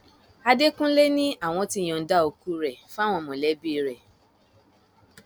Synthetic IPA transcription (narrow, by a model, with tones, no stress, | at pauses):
a˧de˦kũ˦le˦nĩ˦a˦˨w̃ɔ̃˧tĩ˦˨ɔ̃˨n̩˦da˦o˧ku˦ɾɛ˨fa˦˨w̃ɔ̃˧˨mõ˨lɛ˨˦bi˦˧ɾɛ˨